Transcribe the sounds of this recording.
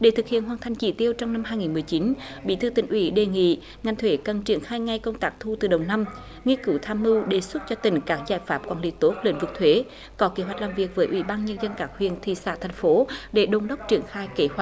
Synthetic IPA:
ɗe˧˩t̪ʰɨ˨˩k̚hḭ˧˨ənɦwaː˨˩nt̪ʰa˨˩jŋ̟t͡ɕḭ˧˩t̪i˧əwt͡ɕɔ˧wŋ͡mna˧mɦaː˧jŋi˨˩nmɨ˨˩əjt͡ɕi˨˦nɓḭ˧˥t̪ʰɨː˧˩t̪ï˧˩ŋ̟ʔwi˧˨˦ɗe˨˩ŋḭ˧˨ | ŋa˨˩ŋ̟t̪ʰwe˧˨˦kə˨˩nt͡ɕi˧˩ənxaː˧jŋa˧jkə˧wŋ͡mt̪aː˦˥k̚t̪ʰu˧t̪ɨ˨˩ɗə˨˩wna˧m | ŋi˧kɨ˨˦wt̪ʰaː˧mːɨ˧ɗe˨˩swə˦˥t̚t͡ɕɔ˧t̪ï˧˩ŋ̟kaː˦˥k̚zaː˧˩jfaː˦˥p̚kwɔː˨˩nlḭ˧˩˨t̪o˦˥t̚lḛ˧˨˦nvɨ˨˩k̚t̪ʰwe˨˦ | kɔ˨˦ke˧˦ɦwa˨˩k̟̚laː˨˩mvi˨˩ək̚vəː˨˦jʔwi˧˩ɓaː˧nɲə˧nzə˧nkaː˧˦˥khwḭ˧˨ənt̪ʰḭ˧˨sa̰ː˧˥t̪ʰɛ˨˩jŋ̟fo˨˦ɗe˧˩ɗo˨˧˩nɗə˦˥wk͡p̚t͡ɕi˧˩ənxaː˧jke˧˦hwa˨˩

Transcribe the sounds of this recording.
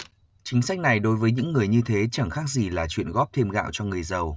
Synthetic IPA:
t͡ɕï˨˦ŋ̟sa˦˥k̟̚na˨˩jɗo˨˦jvəː˨˦jɲɨ̰˧˥ŋːɨ˨˩əjɲɨ˧t̪ʰe˨˦t͡ɕə˧˩ŋxaː˦˥k̚zi˨˩laː˨˩t͡ɕwḭ˧˨ənɣɔ˦˥p̚t̪ʰe˧mɣa̰ː˧˨wt͡ɕɔ˧ŋɨ˨˩əjzə˨˩w

